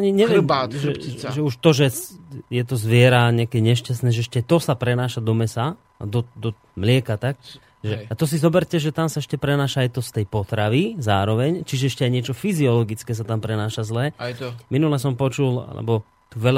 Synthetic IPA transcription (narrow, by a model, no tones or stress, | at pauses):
aɲiɲɛʋɪɛmaɛiʒɛuʃt̪ɔʒɛsjɛt̪ɔzʋɪɛɾaɲɛakɛːɲɛʃcas̬t̪nɛːʒɛɛʃcɛt̪ɔsapɾɛnaːʃad̪ɔmɛsa̰ | d̪ɔd̪ɔ | mlɪɛkat̪ak̚ | ʒɛat̪ɔs̬izɔbɛɾcɛʒɛt̪amsaɛʃcɛpɾɛnaːʃaːjt̪ɔst̪ɛjpɔt̪ɾaʋizaːɾɔʋɛɲt͡ʃiʒɛɛʃcɛajɲɪɛt͡ʃɔfiziɔlɔɡit͡skɛːs̬at̪ampɾɛnaːʃazlɛːminulɛsɔmpɔt͡ʃula̰lɛ̰bɔ | t̪uʋɛʎa